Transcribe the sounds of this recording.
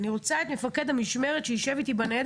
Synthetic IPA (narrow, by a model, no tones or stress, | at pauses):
niʁo̞t͡saet̪mefaked̪amiʃme̞ʁet̪ʃeiʃevit̪ibaned̪